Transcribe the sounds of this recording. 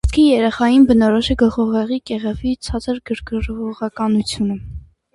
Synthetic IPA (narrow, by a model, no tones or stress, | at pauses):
t͡skʰijɛɾɛχɑjinbənɔɾɔʃɛɡəlˠχɔʁɛʁikɛʁɛvit͡sʰɑt͡səɾɡəɾkəɾɔʁɑkɑnut͡sʰjunə